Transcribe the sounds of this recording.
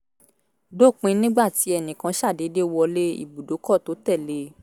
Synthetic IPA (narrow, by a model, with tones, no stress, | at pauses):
do˦˨k͡pĩ˨˧˦nĩ˦ɡ͡ba˦˨ti˨˦ɛ˧˨nĩ˨kã˧˦ʃa˦˨de˨˦de˦wɔ˧le˦ḭ˦˨bu˨do˨˦kɔ˦˨to˨˦tɛ˦˨le˧˦